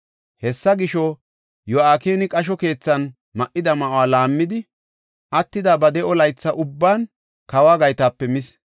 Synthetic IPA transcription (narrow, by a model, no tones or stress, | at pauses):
hɛsːɐɡɪʃɔ | jɔaːkeːnɪkʼɐʃ̬ɔke̞ːt͡sːɐn | mɐʔːɪd̪ɐmɐʔoaːlaːmːɪd̪ɪ | ʔɐt̪ːɪd̪abɐd̪ɛɔlɐjt͡sːɐʔʊbːaːn | kɐwaːɡɐjt̪aːpːɛmɪs